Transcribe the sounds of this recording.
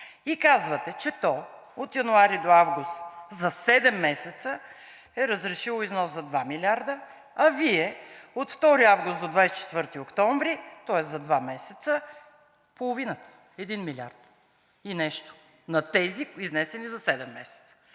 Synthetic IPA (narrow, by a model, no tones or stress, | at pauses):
ikazvət̪ɛt͡ʃɛt̪ɔ | ot̪jɐnuaɾid̪oavɡust̪zɐsɛd̪ɛmːɛsɛt̪sə | ɛɾəzɾɛʃilˠoiznɔszɐd̪vamilʲaɾd̪ə | ɐviɛot̪ft̪ɔɾiavɡʊst̪d̪od̪vajst͡ʃɛ̥t̪vɤɾt̪iokt̪ɔɱvɾit̪ɔɛszɐd̪vamɛsɛt̪sə | polˠovinət̪ə̥ | ɛd̪inmilʲia̰ɾt̪ | inɛʃt̪o̥ | nɐt̪ɛziiznɛsɛnizɐsɛd̪ɛmːɛsɛ̥t̪sə̥